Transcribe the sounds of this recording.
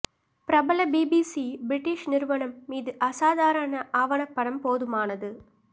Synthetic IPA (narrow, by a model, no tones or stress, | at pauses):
pɾɐbɐlɐbiːbiːsibɾɪʈːiʂnɪɾɯʋɐɳɐmːiːðɯʔɐsaːðaːɾɐnɐʔaːʋɐɳɐpːɐɽɐmpoːðɯmaːnɐðɯ